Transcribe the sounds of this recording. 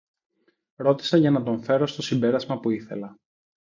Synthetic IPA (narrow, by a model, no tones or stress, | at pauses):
ɾo̞t̪i̥sɐʝɐnɐt̪o̞ɱfe̞ɾo̞st̪o̞simbe̞ɾɐzmɐpuiθe̞̰lɐ